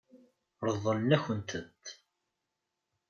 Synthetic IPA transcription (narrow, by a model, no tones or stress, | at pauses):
ɾˤəðˤːəlnæçənt̪ʰət̪ː